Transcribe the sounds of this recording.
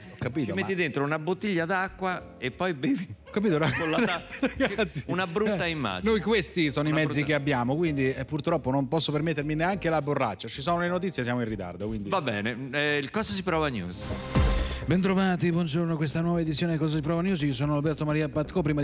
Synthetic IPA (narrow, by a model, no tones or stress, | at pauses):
ɔkːapiːt̪omett̪ːid̪ent̪ɾounabot̪ːiʎːad̪akːwa | epːɔjbeːviɔkːapiːt̪onakolaaɡɾat̪sjeunabɾutːaimːa̰nojkwest̪isɔːnoimɛd̪szːikeabːjaːmokwind̪iɛpːurt̪ɾɔpːonompɔsːopermet̪ːeɾmineaŋkelaborːa̰t͡ʃːat͡ʃisɔːnolenot̪̬it̪sjesjaːmoinrːit̪a̰rd̪okwind̪ivabːɛ̰ːnekɔzasipɾɔːvanjṵːs | bɛnt̪ɾovaːt̪ibwɔnd͡ʒornokwest̪anwɔːvaed̪itsːjoːnedikɔːzasipɾɔvanjuːsios̬ɔːnoalbɛrt̪omaɾiapat̪kɔp̬ɾima